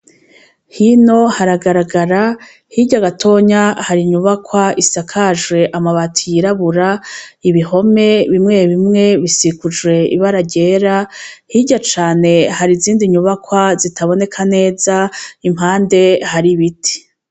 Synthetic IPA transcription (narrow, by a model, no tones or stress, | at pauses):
hino̞haɾaɡaɾaɡaɾa | hiɟaɡatʰo̞ːɲahaɾiɲuβakwaisakʰaʒɡwe̞ʔamaβatʰijiɾaβuɾaiβiho̞me̞βimŋe̞βimŋe̞βisikud͡ʒwe̞ḭβaɾaɟe̞ːɾahiɟat͡ʃaːne̞haɾiziːndiɲuβakwazitaβo̞ne̞kʰane̞ːzaim̥ɦaːnde̞haɾiβitʰi̥